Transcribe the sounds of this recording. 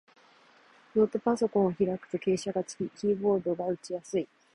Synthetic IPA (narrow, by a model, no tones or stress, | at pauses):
jo̞ːt̪opaso̞kõ̞ɰ̃oçiɾakɯ̟̥pɯke̞ːɕaɡat͡sɨ̥kʲikʲiːbo̞ːd̪o̞ɡaɯ̟t͡ɕijasɨi